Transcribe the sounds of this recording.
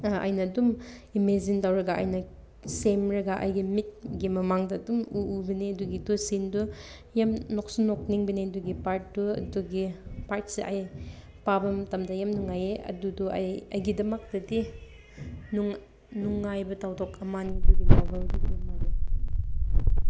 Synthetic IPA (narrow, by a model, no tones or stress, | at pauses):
ʔa̰jnɐːdumimezintawɾɐɡaa̰jnɐ | semɾɐɡaʔa̰jɡimit̚ɡimɐmaŋdɐːdumuubɐniɐduɡidusindu | jamnok̚sunok̚niŋbiniɐduɡipaɾt̚duɐ̰duɡipaɾt̚seʔa̰j | pabɐmtɐmdɐjamnuŋːajeɐ̰dudua̰jɐjɡidɐmɐk̚dɐdi | nuŋ | nuŋːajbɐtawdɔkɐmaniduɡipawbɐldubnimae